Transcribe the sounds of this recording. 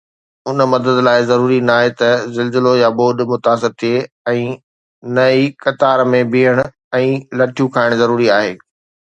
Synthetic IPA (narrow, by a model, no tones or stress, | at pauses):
ɦʊnəmɐd̪əd̪laːɪzɐɾuːɾinaːɦet̪ɐzɐlzɪlojaboːɗmʊt̪aːs̬ɪɾt̪ʰie | ɛ̃ː | nɐikɐt̪aːɾmẽbʱiːəɽ̃ʊ | ɛ̃ːlɐʈʰijũkʰaːɪɽ̃zɐɾuːɾiaːɦeː